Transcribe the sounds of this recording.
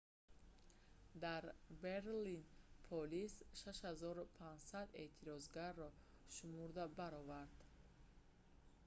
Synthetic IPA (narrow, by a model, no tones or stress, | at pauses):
d̪aɾbeɾlinpʰɔlisʃaʃhazɔɾupʰand͡ʒsad̪e̞̰t̪ʰiɾɔzɡaɾːɔ | ʃumuɾd̪abaɾɔvaɾd̪̥